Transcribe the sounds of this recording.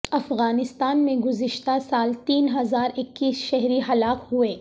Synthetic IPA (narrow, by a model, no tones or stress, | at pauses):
ɐfɣaːnɪst̪aːnmẽɡʊzɪʃt̪asaːlt̪iːnɦɐzaːɾɪkːiːsʃɛɦɾiɦɐlaːqhueː